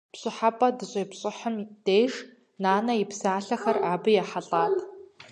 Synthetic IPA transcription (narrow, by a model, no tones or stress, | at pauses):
pɕʼɪħapʼɐdɨɕʼeːpɕʼɪħəmd̥eːʒ | naːnɐjɪpsaːɬɐxɐraːbɨjaħaɬʼaːtʰʼ